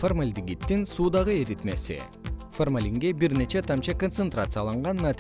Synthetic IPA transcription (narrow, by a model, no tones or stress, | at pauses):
formalʲd̪iɡit̪ːinsuːd̪ɑʁɯeɾit̪me̞sḭ | formalʲiŋɡebiɾne̞t͡ʃe̞t̪ʰɑmt͡ʃɑkont̪sent̪rat̪sɨjalˠɑɴʁɑnːat̪